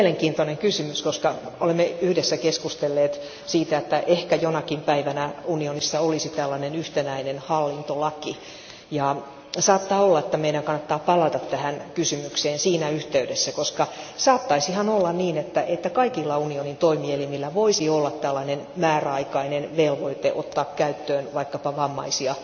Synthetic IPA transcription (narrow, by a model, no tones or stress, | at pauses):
meleŋkiːnt̪oneŋkysymyskoskɑolemːeyhdesːækeskust̪elːeːt̪ | siːt̪æet̪ːæʔehkæjonɑkimpæiʋænæunionisːɑolisit̪ælːɑnenyht̪enæinenhɑlːint̪olɑki | jɑ | sɑːt̪ːɑːolːɑet̪ːæmeiɾæŋkɑnːɑt̪ːɑːpɑlɑt̪ɑt̪tæhænkysymykseːnsiːnæyht̪eydesːækoskɑsɑːt̪ːɑisihɑnolːɑnniːnet̪ːæʔet̪ːækɑikilːɑunionint̪oimielimilːæʋoisiolːɑt̪t̪ælːɑnen | mæːræɑikɑinenʋelʋoit̪eʔot̪ːɑːkkæyt̪ːøːnʋɑikːɑpɑʋɑmːɑ̰isiɑ